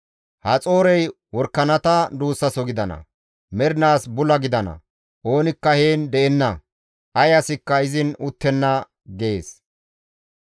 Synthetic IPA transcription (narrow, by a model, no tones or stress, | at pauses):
hɐt͡sʼo̞ːɾɛj | wɔɾkːɐnɐt̪ɐd̪uːsːɐsɔɡɪd̪ɐnɐ̰ | mɛɾɪnaːsbʊlɐɡɪd̪ɐnɐ̰ | ʔo̞ːnɪkːɐheːnd̪ɛʔɛnːɐ | ʔɐjɐsɪkːɐɪzɪnʊt̪ːɛnːɐ | ɡeːs